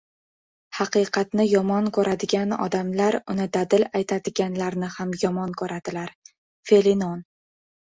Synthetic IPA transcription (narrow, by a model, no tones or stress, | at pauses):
hɑqɨqʰɑt̪nɪjɒmɒnkʰɵɾʔad̪ɪɡʲanɒ̰d̪amlaɾʊnɪd̪ad̪ɪlajt̪ʰad̪ɪɡʲanlaɾnɪhamjɒmɒnkʰɵɾad̪̥ɪlaɾ | fe̞linon